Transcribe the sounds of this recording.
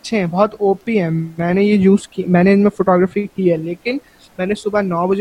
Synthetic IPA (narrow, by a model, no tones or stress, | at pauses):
tːʃʰeɦɛ̃bɔɦt̪oːpiɦɛ̃ːmɛ̃ːnejejuːzkimɛ̃ːneɪnmẽfoːʈɔːɡɾəfikiɦɛːleːkɪn | mɛ̃ːnesʊbanɔːbɐd͡ʒ